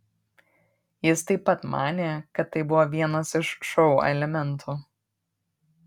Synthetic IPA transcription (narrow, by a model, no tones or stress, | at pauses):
jɪst̪ɐɪpːɐt̪mɑːnʲeːkɐt̪ːɐɪbʊʋoːʋʲiɛnɐsɪʃʃɔʊɛ̰lʲɛmʲɛnˑt̪ʰuː